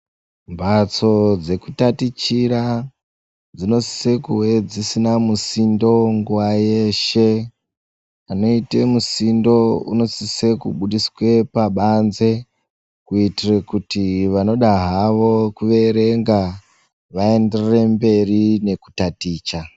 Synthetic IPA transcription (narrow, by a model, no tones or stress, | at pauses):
mbat͡so̞d͡ze̞kutatit͡ʃiɾa | d͡zino̞si̥se̞kuwed͡zisinamusindo̞ŋɡuwaje̞ʃe̞ | ano̞itemusindo̞ṵno̞sise̞kuɓuɗiswe̞paɓanze̞ | kuitirekutiʋano̞ɗaɦaʋo̞kuʋe̞ɾe̞ŋɡa | ʋae̞nderre̞mbe̞rine̞ku̥tatiːt͡ʃa